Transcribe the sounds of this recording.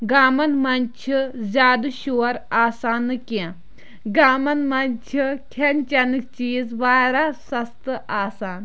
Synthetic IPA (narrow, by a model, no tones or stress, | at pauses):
ɡaːmɐnmɐnʲt͡ʃʰizʲaːd̪ʃoːɾaːsaːnːɨkã | ɡaːmɐnmɐnʲt͡ʃʰikʰɐnt͡ʃɐnɨk̚t͡ʃiːzʋaːɾaːsɐst̪ɨaːsaːn